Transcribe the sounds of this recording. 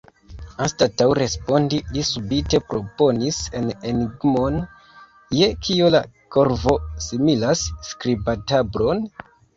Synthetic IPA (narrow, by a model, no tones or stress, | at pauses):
anstatawɾe̞spo̞ndilisubite̞pɾo̞po̞nise̞ne̞niɡmo̞n | je̞kʰiola̰ko̞ɾvo̞similasːkɾibatabɾo̞n